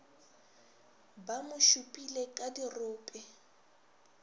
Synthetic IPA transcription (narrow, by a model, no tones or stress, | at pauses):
bamʊʃupʼilɛkʼadirʊːpʼɛ